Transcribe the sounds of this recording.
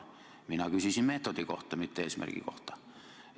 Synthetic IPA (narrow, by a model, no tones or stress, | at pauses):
minækysysimmet̪ot̪ikoht̪ːˑɑmit̪ːæesimʔḛrkḭko̰ht̪ˑɑ̥